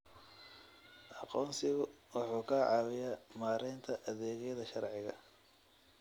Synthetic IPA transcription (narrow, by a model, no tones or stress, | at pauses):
ʔɑqɔːnsɪɣʊwɑħuːkʰɐʕɑwɪjamaːɾɛːnt̪ʰɐʔɐðɛːɣɛjðɐʃɐrʕɪɣɐ̰